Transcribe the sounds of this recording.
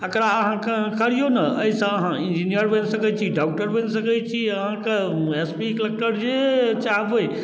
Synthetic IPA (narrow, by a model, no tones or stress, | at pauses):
əkəɾaəɦãkekəɾijonəəisə̃əɦãĩnd͡ʒinijəɾbənsəkɛt͡ʃʰiɖak̚ʈəɾbənsəkɛt͡ʃʰiəɦãkeespiklek̚ʈəɾd͡ʒet͡ʃaɦbɦoe